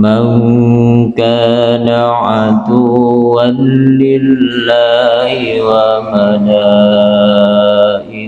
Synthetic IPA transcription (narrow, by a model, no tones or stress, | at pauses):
man | kaːnaʕad̪uwanlɪllːaːhɪwamanaː | ʔɪ